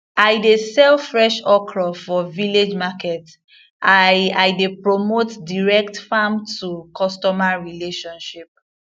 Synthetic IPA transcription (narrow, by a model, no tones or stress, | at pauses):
ajdesɛlfɹɛʃɔkʰɹɔfɔviled͡ʒmakɛt | aajdepɹomotdiɹɛktfamtʰukʰɔstɔmaɹileʃɔ̃nʃip̚